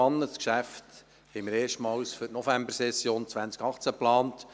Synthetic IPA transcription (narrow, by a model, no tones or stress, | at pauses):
ɑnːəskʃæft | hɛɪməɾeːʃtmɑwsfʏtnɔfæmbəsɛsjoːnt͡sʋænst͡skɑχt͡sæplɑːnt